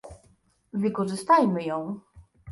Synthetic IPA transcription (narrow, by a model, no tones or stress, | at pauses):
vɘkɔʐɘst̪ajmɘjɔ̃w̃